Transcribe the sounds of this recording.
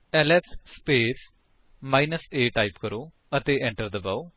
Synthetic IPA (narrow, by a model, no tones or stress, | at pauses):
ɛːlɛːpsspeːs | maːinəseːʈaːipkəɾoː | ət̪eːɛ̃ːɳʈəɾd̪əbaːo